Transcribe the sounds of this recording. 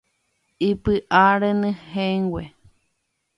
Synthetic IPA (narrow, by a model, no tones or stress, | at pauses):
ipɨʔaɾenɨ̃hẽŋɡwʷe